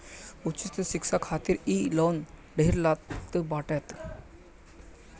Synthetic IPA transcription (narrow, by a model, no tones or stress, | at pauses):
ut͡ɕist̪əɕiksakʰat̪iːɾilɔn | ɖʱeɾlat̪ːəbaʈɛt̪